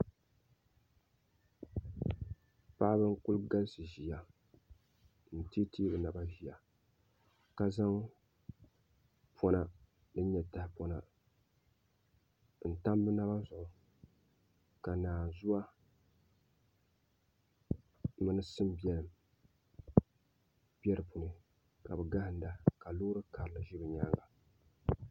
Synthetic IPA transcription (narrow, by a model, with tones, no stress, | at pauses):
pa˦ʔbɨ˦ŋ˦kʊ˦lɡa˦lsɨ˨ʒi˨ja˨ | n̩˨ti˦tʰi˦bɨ˨na˨ba˦ʒi˨ja˨ | ka˦za˦ŋ | pʰɔ˨na˨ | dɨ˦ɲɛ˨ta˨˦hɪ˦pɔ˨na˨ | n̩˨ta˦mbɨ˦na˦ba˦n˦zʊ˨ʔʊ˨ | ka˨naː˨zu˦a˦ | mɨ˦nɨ˦sɨ˦m˦bɛ˦lɨ˨m | bjɛ˦ɾɨ˨pu˨nɨ˨ | ka˨bɨ˨ɡa˦hɪ˨n˦da˨ka˨loː˦ɾɨ˦ka˨ɾɨ˨lɨ˨ʒi˦bɨ˨ɲaː˦ŋɡa˨